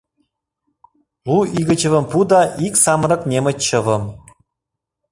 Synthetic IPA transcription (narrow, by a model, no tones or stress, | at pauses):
luiɣə̆t͡ɕə̆və̆mpud̪ɑʔiksɑmɾɤ̆knʲemə̆t͡ɕːɤ̆vɤ̆m